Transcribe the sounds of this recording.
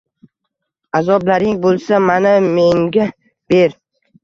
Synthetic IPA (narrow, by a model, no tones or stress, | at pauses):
azɒblaɾɪŋbolˠsamanameŋɡʲa | b̥eɾ